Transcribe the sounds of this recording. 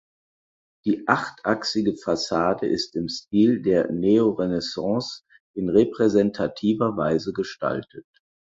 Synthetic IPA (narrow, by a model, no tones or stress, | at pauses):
d̥iːʔaχtʔaksɪɡəfasaːdəʔɪstɪmst̚iːldeːɐneoʁenɛsɑ̃ːs | ʔɪnʁepʁ̥ɛzɛntʰatʰiːvɐvaɪzəɡəʃta̰ltʰət̚